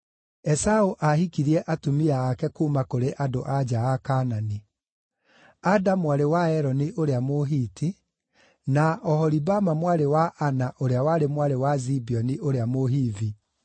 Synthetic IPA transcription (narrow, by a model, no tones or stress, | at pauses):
ɛsaoʔahikiɾiɛʔatumiaːkɛkuːmakoɾeʔadoʔad͡ʒaakanani | adamwaɾewaɛɾɔniʔoɾeamoɦiːti | naɔhɔɾibamamwaɾewaʔanaʔoɾeawaɾemwaɾewazibiɔniʔoɾeamoɦiði